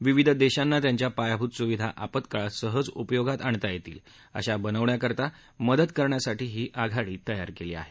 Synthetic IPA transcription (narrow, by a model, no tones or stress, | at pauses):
ʋiʋid̪ʱd̪eɕanːat̪jaɲt͡ɕjapajabʱut̪suʋid̪ʱa̰ʔapət̪kəɭasəɦəd͡zupəjoɡat̪aɳt̪ajet̪ḭːl | ə̰ɕabənəʋɳjakəɾt̪a | məd̪əd̪kəɾɳjasaʈiːɦiːʔaɡʱaɭiːt̪əjaɾkeliːa̰ɦe